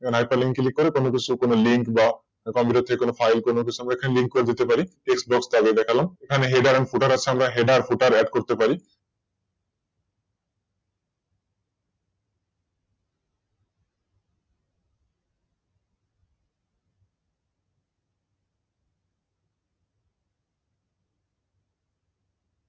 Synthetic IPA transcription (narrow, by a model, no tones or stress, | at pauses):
ekʰanɦajpaliŋkilikːoɾekonokit͡ɕʰukonoliŋkba | kɔmpiʈat̪ʰːekekonofʰajlkonok̬it͡ɕʰuamɾaekʰaneliŋkːkoɾed̪it̪epaɾiʈeksbɔksd̪aɡed̪ɛkʰalamekʰaneɦeɖaɾɛnfʰuʈaɾat͡ɕʰeamɾaɦeɖaɾfʰuʈaɾɛɖkoɾt̪epaɾi